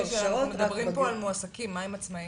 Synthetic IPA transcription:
ʃanaumedabʁimpo̞almoasakimːaemat͡smai

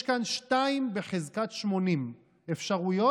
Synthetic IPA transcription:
ʃkanʃtaimbeχezkat̪ʃmo̞nim | efʃaʁujo

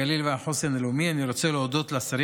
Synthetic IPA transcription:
alilveaħo̞senelumianiɾo̞t͡seleod̪o̞t̪leasaɾ

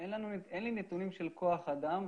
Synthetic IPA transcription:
enlanuenlinet̪unimʃe̞lko̞aχad̪am

